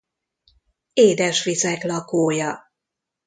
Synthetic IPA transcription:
eːd̪ɛʃʋisɛklɒkoːjɒ

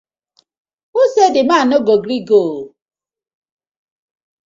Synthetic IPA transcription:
osedɪmaːnɔɡoɡɾiɡoː

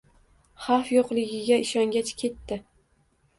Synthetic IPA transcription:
χɑfjoqlˠɪɡʲɪɡʲaɪʃɒŋɡʲat͡ʃkʲʰe̞t̪ːɪ

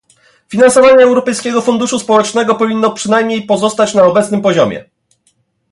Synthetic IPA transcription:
fʲinansɔvaɲɛːwɾɔpɛjskʲɛɡɔfund̪uʂuspɔwɛt͡ʂnɛɡɔpɔvʲinːɔpʂɘnajmɲejpɔzɔst̪at͡ɕnaɔbɛt̪snɘmpɔʑɔmʲɛ̰

